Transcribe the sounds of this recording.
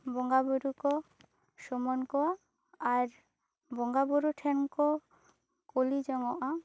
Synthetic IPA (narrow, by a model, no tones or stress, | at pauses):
bɔŋɡabuɾukɔ | ʃɔmɔnkɔa | aɾ | bɔŋɡabuɾuʈʰɛnkɔ | kolid͡ʒɔŋɔʔa